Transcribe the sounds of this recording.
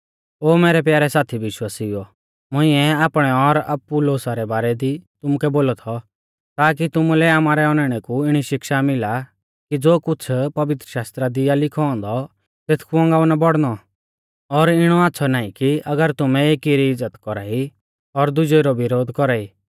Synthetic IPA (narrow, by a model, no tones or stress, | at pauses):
oːmeːɾɛpjaːɾɛsaːt̪ʰiʋɪʃwaːsiɔ | mʊɪ̃ɛaːpɽ̃ɛɔɾɐ̰pːuloːsaɾɛbaːɾɛd̪it̪ʊmukɛboːlɔt̪ʰɔ | t̪aːk̬it̪ʊmulɛaːmaːɾɛɔnɛɽ̃ɛkuɪɽ̃iʃɪkʃamɪla | kid͡zoːkʊt͡sʰpɐʋɪt̪ɾəʃaːst̪ɾad̪ijalɪkʰɔɔ̃nd̪ɔ | t̪eːt̪ʰkʰuɔ̃ŋɡaːunabɔɽnɔ | ɔɾɪɽ̃ɔaːtːsʰɔnaːikiɐɡəɾt̪ʊmɛ̃eːkiɾiɪd͡zːət̪kɔɾaːi | ɔɾd̪ʊd͡ʒɔiɾɔʋɪɾoːd̪kɔɾaːiː